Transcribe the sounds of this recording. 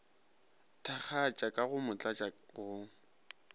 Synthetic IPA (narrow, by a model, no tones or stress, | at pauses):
tʰak͡xʰat͡ʃʼakʼaɣʊmʊt͡ɬʼat͡ʃʼaɣʊ